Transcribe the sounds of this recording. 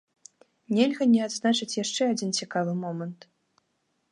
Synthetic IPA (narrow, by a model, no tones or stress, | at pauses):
nʲɛlʲɣɐnʲɛad̪znat͡ʂɨt͡sʲjaʂt͡ʂɛad͡zʲint͡sʲikavɨmɔmɐnt̪